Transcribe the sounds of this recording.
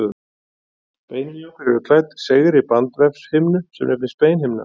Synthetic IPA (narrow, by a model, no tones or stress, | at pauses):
peːjnɪjowkɪɾɛɾʏkʰlaːjt̪seːɣɪɾipant̪vɛpshɪmnʏsɛmnɛfvɪspeːjnhɪmna̰